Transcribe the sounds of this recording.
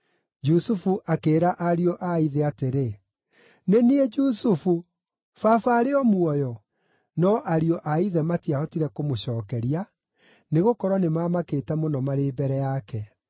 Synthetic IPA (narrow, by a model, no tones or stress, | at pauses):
d͡ʒusufuʔakeːɾaʔaɾiɔʔaiðeateɾe | neniɛd͡ʒusufu | fafaɾeɔmwɔjɔ | nɔʔaɾiɔʔaiðɛmatiaɔtiɾɛkomoɕɔːkɛɾia | neɣokɔɾwɔnemamaketɛmonɔmaɾeːbɛɾɛjakɛ